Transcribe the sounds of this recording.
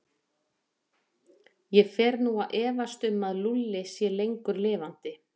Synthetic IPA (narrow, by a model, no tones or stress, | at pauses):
jɛfɛːɾnuaðʔɛːvast̪ʏmːaðlulːɪsjɛlejŋkʏɾlɪːvan̥t̪ɪ